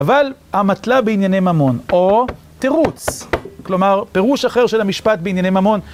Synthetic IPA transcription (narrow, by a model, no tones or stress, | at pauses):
avalhamat̪labeinjanejmamo̞no | t̪eʁut͡sklo̞maʁpe̞ʁuʃaχe̞ʁʃelhamiʃpat̪̚beinjanejmamo̞n